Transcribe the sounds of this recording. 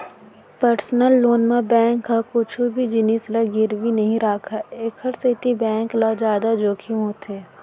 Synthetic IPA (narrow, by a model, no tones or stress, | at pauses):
pəɾsnəlːoːnmẽbɛ̃ːŋkːakʊt͡ʃʰobʱid͡ʒɪnislaɡɪɾʋinɐɦĩɾaːkʰaeːkʰəɾset̪ibɛ̃ːŋklad͡ʒaːd̪ad͡ʒoːkʰimɦoːt̪ɦɛː